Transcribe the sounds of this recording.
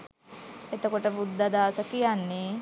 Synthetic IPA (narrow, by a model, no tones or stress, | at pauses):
et̪əkoʈəbud̪ʱːad̪aːsəkijanːe